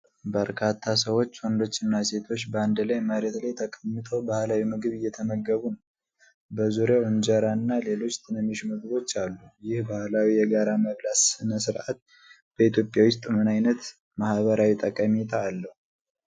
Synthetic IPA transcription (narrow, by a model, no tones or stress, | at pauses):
bəɾkʰat̪ʰːasəwo̞t͡ʃːwənd̪o̞t͡ʃːɨnːase̞t̪ʰo̞t͡ʃːbəand̪lajməɾet̪lajt̪ʰəkʼəmːɨt̪ʰobahlawimɨɡɨβɨjːɛt̪ʰəməɡːəβunəw | bəzuɾjawoɲd͡ʒəɾanːale̞lo̞t͡ʃːt̪ʰɨnəmiʃmɨɡɨβo̞t͡ʃːalːujɪhbahlawijɛɡaɾaməβlassɨnəsɨɾʔat̪̚ | b̥əit̪ʰjo̞pʼjawʊs̬t̪ʼmɨnajnət̪ | mahβəɾawit̪ʼəkʼːəmit̪ʰaːlːəhu